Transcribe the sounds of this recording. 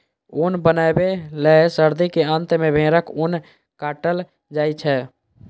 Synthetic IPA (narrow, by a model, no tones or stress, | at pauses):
unbənabeləesəɾd̪ikeənt̪mẽbʱẽːɾəkun | kaːʈəl | d͡ʒaːit͡ʃʰɛ